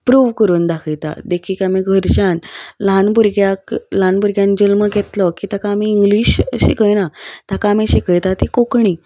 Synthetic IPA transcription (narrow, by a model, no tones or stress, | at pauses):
pɾuːʋkəɾuːnd̪akʰəjt̪a̰d̪ekʰiːkamiɡʱəɾɕanlanbuɾɡjaklanbuɾɡjãnd͡ʑəlməɡʱet̪lɔkiːt̪akãːmiːŋɡliːɕɕḭkəjnat̪akaːmĩɕikəjt̪at̪ikokɳiː